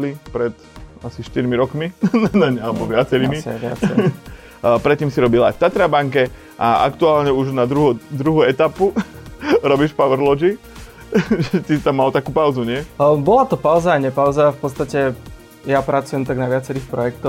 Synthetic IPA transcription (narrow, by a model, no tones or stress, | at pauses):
lipɾɛt̪asiʃt̪iɾmiɾɔkminanaɲɛalɛbɔʋɪat͡sɛɾiːmisa̰ʋɪa̰t͡sɛ | pɾɛt̪ːiːmsiɾɔbila̰jft̪at̪ɾabaŋkɛ | ʔaa̰kt̪uaːlɲɛuʒnad̪ɾuɦɔd̪ɾuɦuɛt̪apu | ɾɔbiʃpaʋɛɾlɔd͡ʒi | ʒɛt̪it̪amːalt̪akuːpaʊzuɲɪɛbɔlat̪ɔpaʊzaːɲɛpaʊzafpɔt̪st̪acɛ | japɾat͡sujɛmt̪aɡnaʋɪat͡sɛɾiːxpɾɔjɛkt̪ɔ